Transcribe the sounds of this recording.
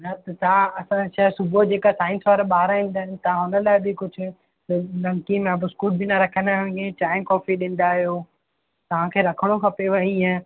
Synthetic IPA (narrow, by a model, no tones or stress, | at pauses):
nɐt̪ɐt̪ɐãɐsãʃɐɦsʊbʱod͡ʑeːkasaːɪnsʋaːɾaɓaːɾaɦĩːn̆d̪aːɦnɪ̆t̪ɐɦãɦʊnəlaːɪbɪkʊd͡ʑʱʊ̆ | tlɐ̃ŋkimẽɐbʊskuːʈ̚bʱinɐɾɐkʰə̃nd̪aɦʊ̃ẽʈaːɪnkɔːfiɗɪ̃ːn̆d̪aːɦijoː | t̪ɐʋ̤ãkʰeːɾɐkʰəɽ̃okʰɐpeʋɐɦiẽ